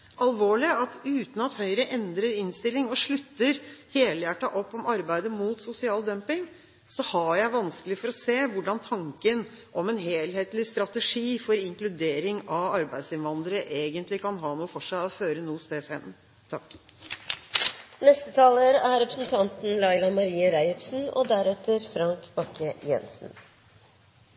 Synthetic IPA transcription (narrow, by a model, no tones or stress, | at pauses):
ɑlʋoːɭɪɑt̪ʉːt̪n̩ɑt̪hœʏɾəʔɛnd̪ɾəɾɪnst̪ɪlːɪŋɔʂɭʉt̪ːəɾheːləjæʈːɑʔɔpːɔmɑɾbæɪd̪əmuːt̪sʊsɪɑːld̪œmpɪŋ | sɔhɑjæɪʋɑnskəlɪfɔɾɔseːʋʊɖɑnt̪ʰɑŋkən | ʔɔmɛnɦeːlɦeːt̪lɪst̪ɾɑt̪əʂiːfɔɾɪŋklʉd̪eːɾɪŋɑʋɑɾbæɪd̪sɪnʋɑnd̪əɾəʔeːɡənt̪lɪkʰɑnɦɑːnuːfɔʂæɪɔføːɾənuːst̪eːshɛnːə | t̪ʰɑkː | nɛst̪ət̪ʰɑːləɾæɾɾɛpɾəsn̩t̪ʰɑnt̪n̩lɑɪlɑmɑɾiːəɾæɪɔpsn̩ɔ̰d̪æɾɛt̪əɾfɾɑŋkb̥ɑkʰəjɛ̰nsn̩